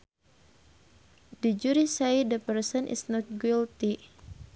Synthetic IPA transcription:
did͡ʒuɾisajdəpərsənʔɪ̰snɔt̪̚ɡilt̪i

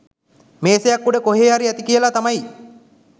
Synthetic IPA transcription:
meːsejakːuɖəkoɦeːaɾiæt̪ikijəlat̪amaj

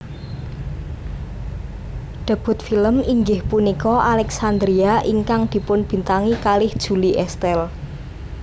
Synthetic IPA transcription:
ɖ̪̥a̤b̥ʊ̤t̪̚filəmiŋɡɪhpunikɔʔalɛksand̪ɾiaʔiŋkaŋd̪̥i̤pʊnb̥i̤nt̪aŋikalɪhd̥ʒ̥ṳliʔɛst̪ɛl

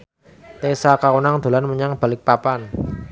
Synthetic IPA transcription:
t̪esakaunaŋd̪̥o̤lanməɲaŋb̥a̤lɪk̚papan

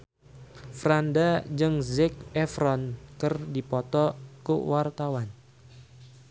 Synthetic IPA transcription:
fɾandad͡ʒɨŋzɪk̚ɛfɾɔnkərdipɔt̪ɔkṵwart̪awan

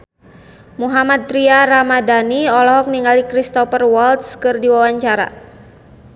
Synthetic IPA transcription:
muɦamat̪̚ːɾiaɾamadaniɔlɔɦɔk̚niŋɡalikɾist̪ɔfərwɔlt̪skɨrdiwawaɲt͡ʃaɾa̰

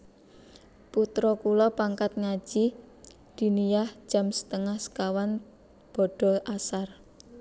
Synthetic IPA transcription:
put̪ɾɔkulɔpaŋkat̪̚ŋḁd͡ʒ̥i | d̪̥i̤nijahd͡ʒ̥a̤msə̥t̪əŋahsə̥kawan | b̥ɔ̤ɖ̥ɔ̤ʔasar

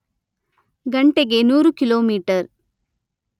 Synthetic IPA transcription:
ɡɐɳʈeɡenuːɾukɪloːmiːʈɐɾ

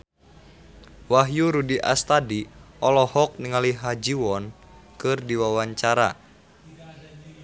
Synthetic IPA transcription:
waɦjuɾudiʔa̰st̪adiʔɔlɔhɔk̚niŋaliɦad͡ʒiwɔn | kɨrdiwawaɲt͡ʃaɾa̰

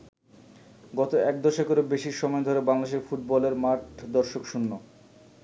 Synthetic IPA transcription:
ɡɔt̪oɛk̚d̪ɔʃokoɾobeʃiɾʃɔmɔed̪ʱoɾebaŋlad̪eʃ̬efuʈ̚bɔleɾmaʈd̪ɔɾʃokʃunːo

